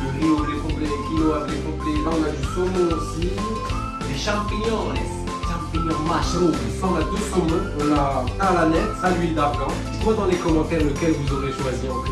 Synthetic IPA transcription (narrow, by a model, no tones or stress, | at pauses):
luʁiɔ̃lepɔ̃plelekʲiloavklekɔ̃plelaɔ̃nad̪ysɔmoːsi | leʃɑ̃piɲɔ̃ɛ | ʃɑ̃piɲɔ̃maʃo | saɔ̃nad̪øsɔmɔ̃ɔ̃nat̪alanɛt̪salɥild̪aplɑ̃ | t̪mɛ̃d̪ɑ̃lekɔlɔ̃kɛlːəkɛlvuzoʁeʃwaziʁɑ̃k